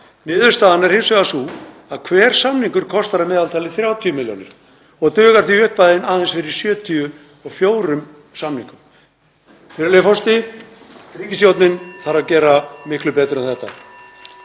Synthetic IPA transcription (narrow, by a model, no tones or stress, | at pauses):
nɪːðʏɾ̥st̪aːðanɛɾ̥hɪmsvɛɣasu | aðkʰvɛːɾ̥samniŋkʏɾ̥kʰɔst̪aɾamɛːðalt̪ʰaːlɪθɾjaːwt̪ʰiʏmɪljo̰ːnɪ̰ɾ̥ | ɔɣt̪œːɣaɾ̥θihʏhpajðɪnaːðɛnsfɪɾɪɾ̥sjœːt̪ʰiʏ | ɔɣfjoːwɾʏm | samniŋkʏm | fɪɾɪɾlɛfɔst̪ɪ | riːcɪst̪jowt̪nɪnθaɾaðcɛːɾamɪhklʏpɛːt̪ɾʏɛnθɛht̪ːa̰